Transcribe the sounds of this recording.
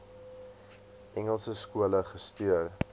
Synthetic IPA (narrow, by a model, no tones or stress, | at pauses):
ʔɛŋəlˠsəskuələχəstyər